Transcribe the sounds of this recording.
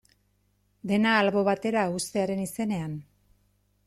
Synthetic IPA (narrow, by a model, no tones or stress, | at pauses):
d̪e̞naːlβo̞βat̪e̞ɾaust̪e̞aɾe̞nise̞ne̞an